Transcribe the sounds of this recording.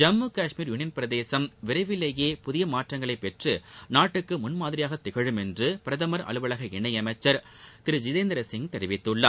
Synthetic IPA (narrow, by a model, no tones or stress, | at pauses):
d͡ʒɐmːuːkaːʂmiːɾjʊnɪjɐnpɪɾɐðeːsɐmʋɪɾɐɪʋɪlːɐjeːpʊðɪjɐmaːʈrɐŋɡɐɭɐɪpːɛʈrɯnaːʈːɯkːɯmʊnmaːðɪɾɪjaːɣɐt̪ːɪɣɐɻɯmɛndrɯpɪɾɐðɐmɐɾʔɐ̰ɭɯʋɐɭɐɣɐɛɳːɐɪɐmɐɪt͡ʃːɐɾ | t̪ɪɾɯd͡ʒɪðeːnd̪ɾɐsɪŋɡt̪ɛɾɪʋɪt̪ːɯɭːɐ̰